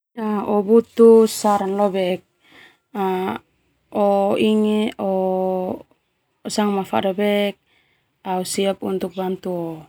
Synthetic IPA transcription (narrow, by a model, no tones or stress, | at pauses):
aɔbut̪usaɾanlɔbɛk̚ | a | ɔiŋeɔ | saŋmafa̰ʔdabɛk̚ | ausiapunt̪uk̚bant̪uo